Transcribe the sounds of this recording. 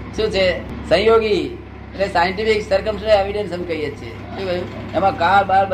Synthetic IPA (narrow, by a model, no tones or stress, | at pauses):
ʃũt͡ʃʰesə̃j̃joɡi | ɾesajəɳʈipʰiksəɾkəmsɾeʋiɖensəmekəijet͡ʃʰiḛ | ũkemãkabaɾbə